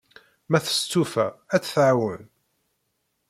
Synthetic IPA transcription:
mæθə̥st͡s̪ːufæ̰æt͡sːθʕawən

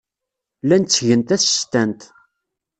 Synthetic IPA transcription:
lænt͡sːʝənt̪æθə̥st̪ænt̪

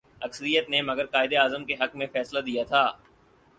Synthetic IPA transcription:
ɐksəɾijət̪nemɐɡəɾkaːɪd̪eaːzəmkeɦɐkmẽfɛːslad̪ijat̪ʰaː

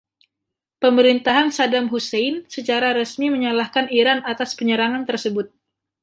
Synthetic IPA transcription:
pəməɾint̪aɦansadamɦusɛjnsət͡ʃaɾaɾəsmiməɲalahkaniɾanat̪aspəɲəɾaŋant̪ərsəbʊt̪̚

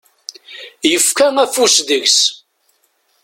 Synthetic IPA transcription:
jəfkæŋæfusðəʝs

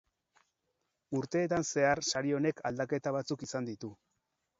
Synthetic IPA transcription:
uɾt̪e̞ːt̪anse̞arsaɾio̞ne̞kʰald̪ake̞t̪aβ̞at͡sukisand̪it̪u

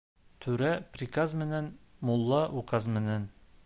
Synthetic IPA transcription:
t̪ʰʉɾæprʲikazmɘ̆nænmulˠːɑʔukazmɘ̆næn

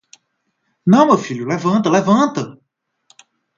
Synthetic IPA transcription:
nɐ̃w̃mefiljulevɐ̃t̪ɐlevɐ̃t̪ɐ

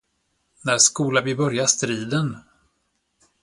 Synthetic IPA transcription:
næskuːlavɪbœɾjaʂt̪ɾiːd̪ən

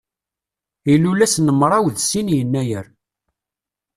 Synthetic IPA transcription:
ilulæsnəmːɾˤɑwðsinjənːæjəɾ

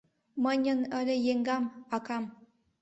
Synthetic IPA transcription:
məɲənəɾejeŋɡamakam

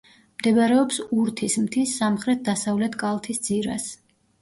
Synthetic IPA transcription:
md̪ɛbaɾɛɔpsuɾt̪ʰismt̪ʰisːamχɾɛt̪̚d̪asavlɛt̪ʰkʼalˠt̪ʰisd̪z̥iɾa̰s

